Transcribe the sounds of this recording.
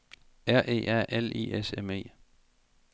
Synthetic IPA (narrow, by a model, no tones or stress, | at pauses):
æɐ̰ʔe̝̰ːʔæɐ̰ʔelḭːeseme̝̰ː